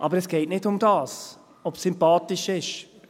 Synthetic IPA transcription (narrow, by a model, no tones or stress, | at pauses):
ʔɑ̰bəɾɛsɡ̥ɛɪtnɪtʊmdɑːs | ɔpsympɑːtɪʃɪʃ